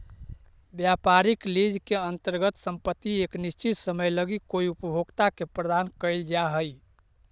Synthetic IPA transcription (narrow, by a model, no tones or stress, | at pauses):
bjapaɾiklid͡ʒkeənt̪əɾɡət̪səmpət̪ːieknist͡ʃit̪səməjləɡikoiupəbʱoɡt̪akepɾəd̪ankəjld͡ʒaɦəj